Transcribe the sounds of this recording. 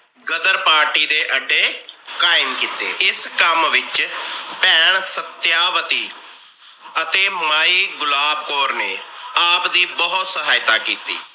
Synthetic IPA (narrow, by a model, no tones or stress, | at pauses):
ɡəd̪əɾpaːɾʈiːd̪eːʔəɖːeːkaːɪmkiːt̪ḛːɪskəmʋɪt͡ʃpɛ̃ːɳsət̪jaːʋət̪iː | ət̪eːmaːiːɡʊlaːbkoːɾneːaːpd̪iːbəɦʊt̪səɦaːɪt̪aːkiːt̪ḭː